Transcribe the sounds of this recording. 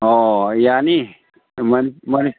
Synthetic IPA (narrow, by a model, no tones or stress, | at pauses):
ojani | mənmən